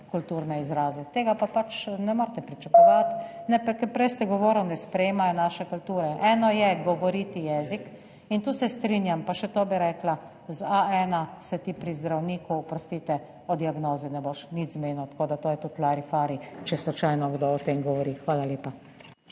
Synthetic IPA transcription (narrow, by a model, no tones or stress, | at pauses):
kult̪uːɾnɛizɾaːzɛt̪eːɡapapat͡ʃnɛmoːɾt̪ɛpɾit͡ʃakɔʋat̪nɛpɛkɛɾpɾɛjst̪ɛɡɔʋɔːɾɔwnɛspɾɛjeːmajɛnaːʃɛkult̪uːɾɛʔɛːnɔjɛɡɔʋɔɾiːt̪ijɛːzik | int̪usɛst̪ɾinjampaʃɛt̪oːbiɾɛkla | zaɛːnasɛt̪ipɾizd̪ɾawniːkuːpɾɔst̪it̪ɛ | ɔd̪iaɡnoːzɛnɛboʃnit̪zmeːnut̪koːd̪at̪oːjɛt̪ut̪laɾifaːɾit͡ʃɛslɔt͡ʃajnɔɡd̪oːt̪eːmɡɔʋɔɾixʋaːlaleːpa